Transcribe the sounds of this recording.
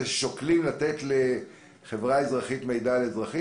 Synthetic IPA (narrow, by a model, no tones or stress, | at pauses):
ʃoklimlat̪etle | χevʁaezʁaχitme̞jdalezʁaχi